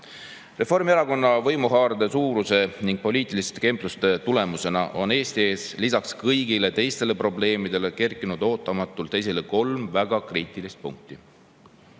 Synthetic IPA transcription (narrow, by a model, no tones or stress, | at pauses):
re̞fo̞rmieɾɑko̞nːɑvɤjmuɦɑːɾɑd̪e̞suːɾuse̞niŋɡ̥̚po̞lʲiːt̪ˑilist̪eke̞mplust̪e̞t̪ule̞muse̞nɑʔo̞ne̞ːst̪ie̞ːslisɑkskɤjɡile̞t̪e̞jst̪e̞le̞pro̞ble̞ːmid̪̥e̞le̞ke̞rkːˑinud̪̥o̞ːt̪ˑːɑmɑt̪ːˑult̪ːe̞js̬eleko̞lmvæɡ̥ɑkriːt̪ˑilist̪̚pṵŋk̚t̪i